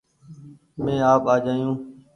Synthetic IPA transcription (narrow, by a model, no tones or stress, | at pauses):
mẽːaːpaːd͡ʒaːjũː